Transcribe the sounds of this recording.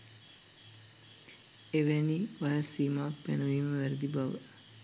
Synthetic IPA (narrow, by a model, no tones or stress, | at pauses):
eʋæniʋajasiːmaːk̚penəʋiːməʋæɾəd̪ibaʋə